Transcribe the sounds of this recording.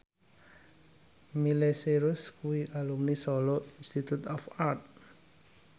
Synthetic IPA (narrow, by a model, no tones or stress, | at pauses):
mileseɾuskuiʔalumnisɔloʔinst̪it̪ut̪ɔfart̪̚